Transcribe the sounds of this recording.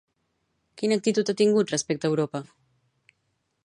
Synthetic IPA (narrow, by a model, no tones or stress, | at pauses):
kinək̚t̪it̪ut̪at̪iŋɡut̪rəspɛk̚t̪əːwɾopə